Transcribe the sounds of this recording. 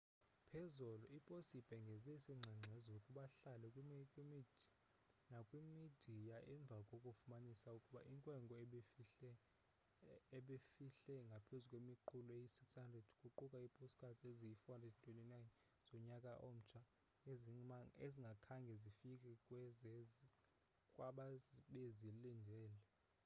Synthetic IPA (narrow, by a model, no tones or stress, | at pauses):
pʰɛzɔlɔipʼosib̥ʱʼɛŋɡʱɛzɛsiŋ͡ǁʱaŋ͡ǀʱɛzokʼuɓaɬalɛkʼkʼimid | nakʼwimid̥ʱijaʔɛɱb̪vʱakʼokʼufumanisaukʼuɓa̰ʔiŋkʼwɛŋɡʱɔɛɛ | ɓefiɬɛŋɡʱapʰezukʼwemiǃʰulɔejisikshandʱrɛd̥kʼuǃukʼaipʼusi̥kʰʼatʰeziifandʱɛdʰtʼwenʼinajn | z̥ɔɲakʼaʔom̩t͡ʃʰa | ezeziŋɡʱakʰaŋɡʱɛzifikʼɛkʼwɛzɛz | kʼwaɓaɓezilind͡ʒʱɛːlɛ